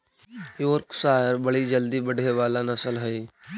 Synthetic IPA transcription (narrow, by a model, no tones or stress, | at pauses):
joːɾksaːəɾbəɽid͡ʒəld̪ibəɽ̤ʱeʋaːlanɐsəlɦəi